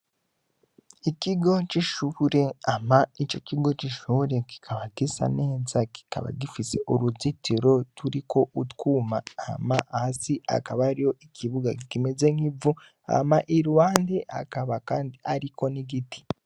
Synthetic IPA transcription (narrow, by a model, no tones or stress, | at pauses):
iciɡo̞t͡ʃiʃuɾe̞amait͡ʃo̞ciɡo̞t͡ʃiʃuɾe̞ki̥kʰaβadisa̰ne̞ːzaki̥ka̰βa̰difise̞ʔoɾuzitiɾo̞tuɾikʰo̞ʔutkuːmaamaahsiʔa̰kaβaɾijo̞ikʰiβuɡakikimeze̞ŋ̥ivu | a̰maʔiɾuwaːndeʔa̰kaβakaːndiaɾikʰo̞niɡiti̥